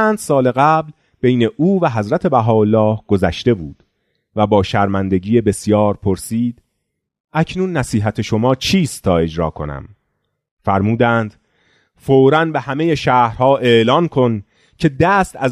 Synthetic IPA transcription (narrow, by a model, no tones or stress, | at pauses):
æːnd̪̥sɒːle̞ɣæbl | b̥e̞jne̞ʔuːvæɦæzɾæt̪ʰe̞bæɦɒːolːɒːhɡ̥ozæʃt̪e̞bṵːd̪̥ | væbɒːʃæɾmænd̪e̞ɟiːjebe̞sjɒːɾpʰoɾsiːd̪̥ | ʔæcʰnuːnːæsiːɦæt̪ʰe̞ʃo̞mɒːt͡ʃʰiːst̪ʰːɒːe̞d͡ʒɾɒ̰ːkʰo̞̰næ̰m | fæɾmuːd̪æːnd̪̥ | foːɾænbe̞hæme̞je̞ʃæːhɾhɒːʔeʔlɒːnkʰo̞n | cʰe̞d̪æːst̪ʰæz